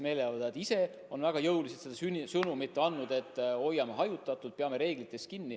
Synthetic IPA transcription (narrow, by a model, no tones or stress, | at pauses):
me̞ːleɑvɑd̪ɑet̪ːise̞ | o̞nvæɡ̥ɑjɤwliset̪sed̪ɑysɤnumit̪ːeɑnːud̪e̞t̪ːˑo̞jːɑmeɦɑjut̪ːˑɑt̪ːˑult̪̚peɑme̞ɾe̞ːɡ̥lit̪ːˑe̞skinːi